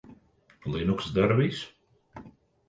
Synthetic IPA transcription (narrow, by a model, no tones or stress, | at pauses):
lˠinuksd̪aɾviːs